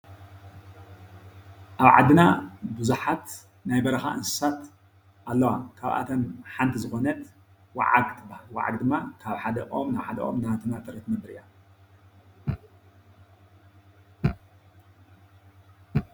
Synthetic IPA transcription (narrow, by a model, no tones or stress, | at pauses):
ʔaβʕa̰d̪ːɨnabɨzuħat̪ | najbɐɾɐxa̰ʔɨnsɨ̥sat̪ | ʔalːɐwakʰaβʔa̰t̪ʰɐmħant̪ʰizɨxo̞nɐt̪ | wa̰ʕa̰ɡt̪ʰɨbːahalwa̰ʕa̰ɡd̪ɨmːakʰaβħad̪ɐʔo̞mnaβħad̪ɐʔo̰mnat̪ʰɨnat̪ʼɨɾit̪mɐmbɨɾija